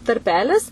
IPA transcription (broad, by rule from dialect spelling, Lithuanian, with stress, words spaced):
tɐrʲˈpʲæːlʲɪs